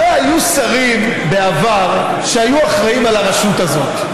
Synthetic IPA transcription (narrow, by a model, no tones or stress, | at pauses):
ehajusaʁim | be̞avaʁ | ʃeajuaχʁaimalaʁeʃut̪azo̞t̪